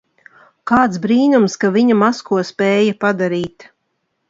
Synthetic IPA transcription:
kaːt̪sbɾiːnumskaviɲamaskuɔspʲɛːjapad̪aɾiːt̪

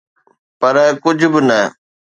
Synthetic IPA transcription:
pɐɾkʊd͡ʑʱbɪnə

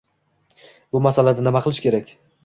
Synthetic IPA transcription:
bʊmasalad̪anɪmaqʰɨlˠɪʃkʲʰe̞ɾakʲ

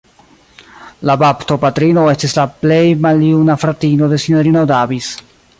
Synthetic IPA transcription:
labaptopatɾino̞e̞stislaple̞jmaljunafɾatinode̞siɲoɾinodavis

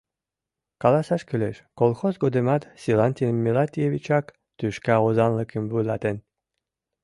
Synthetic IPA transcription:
kɑlˠɑsɑʃkyleʃkolˠxozɡod̪emɑt̪sʲilˠanʲt̪ʲimʲːilˠat̪ʲijevʲit͡ʃɑk | t̪yʃkɑozɑnlˠɤkɘmvulɑt̪en

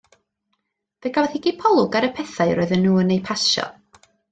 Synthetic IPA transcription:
d̥əɡavɛθhiɡipʰɔlˠʊɡaɾəpʰɛθajɾɔɨðənːuːənejpʰaʃɔ̰

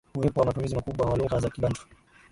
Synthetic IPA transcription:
uwɛpɔwamatumizimakuɓwaamaluŋɡazakiɓand͡ʒɔ̥

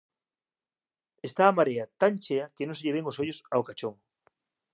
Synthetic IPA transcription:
est̪aːmaɾeat̪aŋt͡ʃeɐkenõseʎeβeŋosoʎʊsaokat͡ʃoŋ

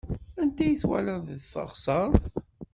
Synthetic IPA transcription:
ænt̪æjəθwæ̰læðθə̰ʁsˤɑɾˤθ

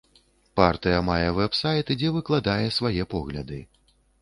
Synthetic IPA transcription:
part̪ɨjɐmajɛvɛpsajt̪ɨd͡zʲɛvɨklˠad̪ajɛsvajɛpɔɣlʲɐd̪ɨ

